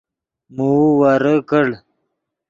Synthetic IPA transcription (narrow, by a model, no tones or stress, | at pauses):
muwaɾəkəɽ